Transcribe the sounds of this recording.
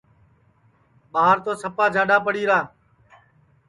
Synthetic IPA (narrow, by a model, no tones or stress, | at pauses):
ɓaːɦəɾt̪oːsəpaːd͡ʒʱãːɖaːpəɽiːɾaː